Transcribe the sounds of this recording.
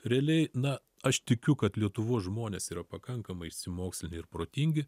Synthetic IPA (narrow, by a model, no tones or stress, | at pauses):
ɾʲɛɐlʲɛɪnɐ | ɐʃt̪ʲɪkʲʊkɐt̪lʲiɛt̪ʊʋoːsʒmoːnʲeːsiːɾɐpɐkɐŋkɐmɐɪɪʃʲsʲɪmoːksʲlʲɪnʲɪɪɾpɾoːt̪ʲiŋʲɡʲɪ